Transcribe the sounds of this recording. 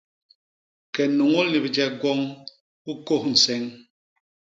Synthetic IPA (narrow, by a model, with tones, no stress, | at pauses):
kɛ˨no˨ŋo˦ni˨bd͡ʒɛ˨ɡwɔ˦ŋ | u˦ko˦˨hn̩˨sɛ˦ŋ